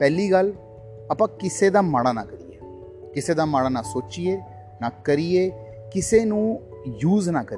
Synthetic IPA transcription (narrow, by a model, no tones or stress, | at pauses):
pɛːliːɡəl | əpãːkɪseːd̪aːmaːɽ̃aːnaːkəɾijeː | kɪseːd̪aːmaːɽaːnaːsoːt͡ʃijeː | naːkəɾijeː | kɪseːnũː | juːznaːkəɾ